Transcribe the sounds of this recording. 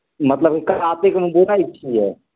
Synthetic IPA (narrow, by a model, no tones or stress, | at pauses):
mət̪ləb̚kikaɾat̪ekmbuɾajt͡ʃʰiɦɛ